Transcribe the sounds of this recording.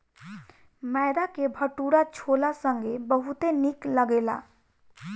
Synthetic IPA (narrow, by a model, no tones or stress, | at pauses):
mɛd̪akebʱəʈuɾat͡ʃʰolasəŋɡebəɦut̪enikləɡela̰